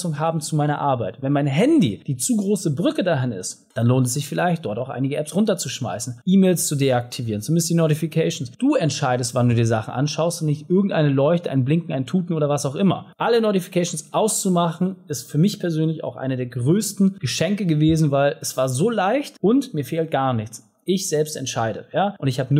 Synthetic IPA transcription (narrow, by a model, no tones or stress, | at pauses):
sʊŋɦaːbm̩t͡sumaɪnɐ̰ʔaɐbaɪtvɛnmaɪnɦɛndḭd̥iːt͡suːɡʁoːsəbʁʏkədaɦɪnɪ̰st | d̥anloːntɛsz̥ɪçfɪlaɪçt̚d̥ɔɐtaʊxʔa̰ɪnɪɡəʔɛpsʁʊntɐt͡suʃma̰ɪsn̩ʔiːmeːlst͡sudeak̚tʰiviːʁənt͡sumɪndəsd̥iːnotifikʰɛɪʃn̩sd̥uːɛntʃaɪdəstv̥anduːdiːɐzaχn̩ʔa̰nʃaʊstʊntnɪçtʔɪɐɡŋ̩tʔa̰ɪnəlɔʏçtəʔa̰ɪnblɪŋkŋ̩aɪntʰuːtn̩oːɾɐvasaʊxʔɪmɐ̰ʔalənotifi̥kʰɛʃn̩sʔaʊst͡sumaχn̩ʔɪstfyːɐmɪçpʰɛɐzøːnlɪça̰ʊxʔa̰ɪnɐdeːɐɡʁøːstn̩ɡ̥əʃɛŋkəɡəveːzn̩vaɪlɛsv̥aːɐzoːlaɪçtʔʊntmiːɐfeːlt̚ɡ̥aːɐnɪçt͡s | ʔɪçz̥ɛlpstɛ̰ntʃaɪɾə̰jaːʔʊntɪçhaːbənu